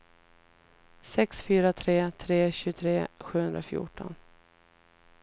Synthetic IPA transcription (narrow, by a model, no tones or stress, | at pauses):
sɛksfyːɾat̪ʰɾeːt̪ʰɾeːɕʉt̪ʰɾeːɧʉːhɵnd̪ɾa̰fjʊ̰ːʈɔ̰n